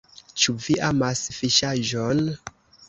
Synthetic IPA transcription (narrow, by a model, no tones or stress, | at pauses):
t͡ʃuviʔamasfiʃaʒon